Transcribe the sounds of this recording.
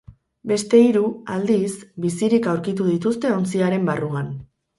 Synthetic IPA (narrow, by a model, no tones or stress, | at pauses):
be̞st̪e̞iɾuald̪isbisiɾikawɾkit̪̬uðit̪ust̪e̞o̞nt͡siaɾe̞mbaruan